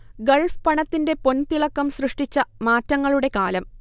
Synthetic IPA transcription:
ɡɐɭfpɐɳɐt̪ːinde̞po̞nt̪iɭɐkːɐmsrɨʂʈit͡ɕːɐmaːtːɐŋːɐɭuɽe̞kaːlɐm

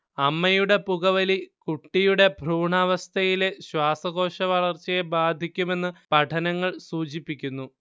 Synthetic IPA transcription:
ɐmːɐjuɽe̞puɣɐʋɐlikuʈːijuɽe̞bʱruːɳaːʋɐst̪ʰɐjileɕwaːsɐɣo̞ːʂɐʋɐɭɐrt͡ɕːɐjebaːd̪ʱikʲːume̞nːɨpɐʈʰɐnɐŋːɐɭsuːt͡ɕipːikʲːunːu

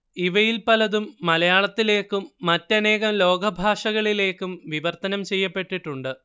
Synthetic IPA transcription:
iʋɐjilpɐlɐðumːɐlɐjaːɭɐt̪ːile̞ːkːumːɐtːɐne̞ːɣɐmlo̞ːɡɐbʱaːʂɐɣɐɭile̞ːkːumʋiʋɐrt̪ɐnɐmt͡ɕe̞jːɐpːe̞ʈːiʈːuɳɖɨ

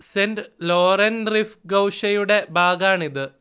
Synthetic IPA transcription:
sendloːrɐnrifɡɐwʂɐjuɽe̞bʱaːɡaːɳiðɨ

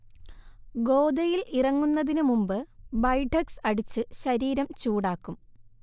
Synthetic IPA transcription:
ɡo̞ːd̪ɐjilirɐŋːunːɐðinɨmumbɨbɐjʈʰɐksɐɽit͡ɕːɨɕɐɾiːɾɐmt͡ɕuːɽaːkːum

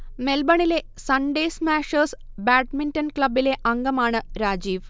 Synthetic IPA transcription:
melbɐɳile | sɐɳɖeːsmæːʃəs | bæːʈmiɳʈɐnklɐbileʔɐŋɡɐmaːɳɨɾaːd͡ʑiːʋ

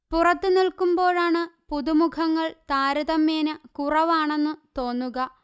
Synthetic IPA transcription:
purɐt̪ːɨnilkumbo̞ːɻaːɳɨpuðumukʰɐŋːɐɭt̪aːɾɐðɐmːeːnɨkurɐʋaːɳe̞nːut̪o̞ːnːuɣɐ

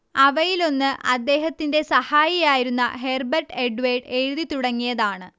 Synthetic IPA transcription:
ɐʋɐjilo̞nːɨʔɐd̪ːe̞ːɦɐt̪ːinde̞sɐhaːjijaːjiɾunːɐ̰ɦe̞ːrbɐrʈeɖʋejɖe̞ɻuðit̪uɽɐŋːijɐðaːɳɨ

